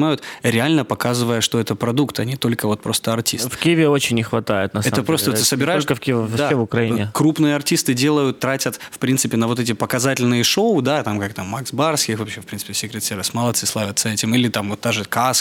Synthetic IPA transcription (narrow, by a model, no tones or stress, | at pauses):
majʊt̪ɾʲɪalʲnəpɐkazɨvəjəʂt̪o̞ɛt̪əpɾɐd̪ukt̪ɐnʲit̪o̞lʲkəvo̞t̪̚pɾo̞st̪əɐrtʲisfkʲijəvʲɪot͡ɕɪnʲːɪxvɐt̪ajɪt̪nɐsɛəpɾot̪ət̪ɨsəbʲɪɾajɪolʂʲkəfkʲid̪evʊkɾɐinʲɪkɾupnɨjəɐrtʲist̪ɨdʲe̞lˠəjʊt̪ːɾatʲət̪fpɾʲint̪sɨpʲɪnəvo̞t̪ɛtʲɪpəkɐzatʲɪlʲnɨjəʂoʊd̪at̪amkak̚t̪amːaksbarskʲɪxvɐpɕefpʲinɨ̥pʲɪsʲɪkɾʲɪt̪sʲeɾvʲɪsmɐlˠɐt̪sɨslˠavʲət̪sːəɛtʲɪmilʲɪt̪amvot̪ːaʐɨkas